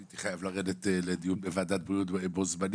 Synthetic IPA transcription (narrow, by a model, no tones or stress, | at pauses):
it̪i̥χajavlaʁe̞d̪et̪eled̪ijunbevaːd̪at̪̚bʁijutbeebozman